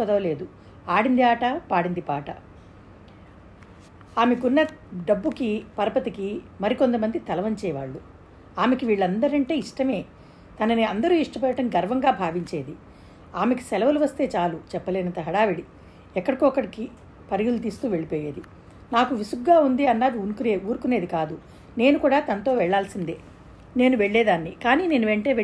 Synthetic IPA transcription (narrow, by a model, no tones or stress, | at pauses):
ɔd̪ɐʋɐle̞ːd̪u | aːɽind̪iaːʈɐpaːɽind̪ipaːʈɐ̰ | aːmekunːɐɖɐbːukipɐɾɐpɐt̪iki | mɐɾiko̞nt̪ɐmɐnd̪it̪ɐlɐʋɐɲt͡ʃɛːʋaːɭːu | aːmekiʋiːɭːɐnd̪ɐɾɐɳʈe̞ːiʂʈɐme̞ː | t̪ɐnɐniɐnd̪ɐɾuːiʂʈɐpɛjɐʈɐmɡɐɾʋɐŋɡaːbʱaːʋiɲt͡ʃeːd̪i | aːmeki̥sɛlɐʋɐluʋɐst̪e̞ːt͡ʃaːlut͡ʃɛpːɐleːnɐnt̪ɐɦɐɽaːʋiɽi | ɛkːɐɽɐkɔkːɐɽiki | pɐɾiɡulut̪̬iːst̪uːʋe̞ɭipoːjeːd̪i | naːkuʋisuɡɡaːund̪iɐnːaːd̪iunukuɾeːuːɾukune̞ːd̪ikaːd̪u | ne̞ːnukuːɽaːt̪ɐnɐt̪o̞ːʋɛɭːaːlsind̪e | ne̞ːnuʋeɭːeːd̪aːnːikaːniːne̞ːnuʋeɳʈe̞ːʋ